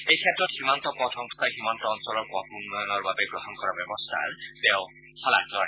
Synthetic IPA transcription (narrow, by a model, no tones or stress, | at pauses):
ejkʰetːɹɔthimant̪ɔpɔtʰɔŋst̪ʰaɦimɔnt̪ɔːnsɔlɔɹpɔtunːɔjɔnɔɹbabeɡɹɔɦɔnkɔɹabjɔbɔst̪ʰa̰ | teʊ | hɔla̰klɔ